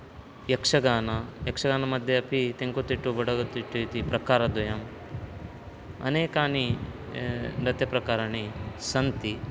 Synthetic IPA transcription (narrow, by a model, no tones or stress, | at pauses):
jɐkʂɐɡaːnɐjɐkʂɐɡaːnɐmɐd̪ʱjɐɐpʰit̪eŋkot̪ːiʈːubɐɽɐɡot̪ːiʈːut̪ipɾɐkaːɾɐd̪ɐjɐm | ɐ̰neːkaːni | ɾɐt̪jɐpɾɐkaːɾaɳisɐnt̪i